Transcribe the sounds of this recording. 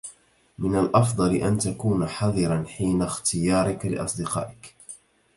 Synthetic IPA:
mɪnalʔɑfd̪ˤɑlɪʔant̪akuːnaħɑðˤɨɾanħiːnaxt̪ʰɪjɑːɾˤɪkalɪ̰ʔɑ̰sˤd̪ɪqɑ̰ːʔɪk

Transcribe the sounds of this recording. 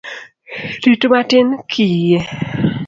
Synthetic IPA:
ditumatɪnkʰije

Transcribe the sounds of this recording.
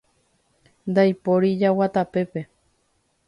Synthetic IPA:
nd̪ajpoɾid͡ʒawat̪ape̞pe̞

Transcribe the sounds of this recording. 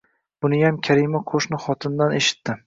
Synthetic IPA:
b̥ʊnɪjamkʲʰaɾɪmaqʰoʃnɪχɒt̪ʰɪnd̪aneʃɪ̥t̪ːɪ

